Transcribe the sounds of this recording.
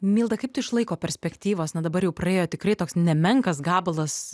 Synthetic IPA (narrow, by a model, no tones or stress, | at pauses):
mʲiːlˠd̪ɐkɐɪp̚t̪ʊɪɪʃlˠɐɪkoːpʲɛɾʲsʲpʲɛkt̪ʲiːʋoːsnɐd̪ɐbɐɾjɛʊpɾrɐeːjoːt̪ʲɪkrɐɪt̪oːksnʲɛmʲɛŋkɐsɡɑːblˠɐs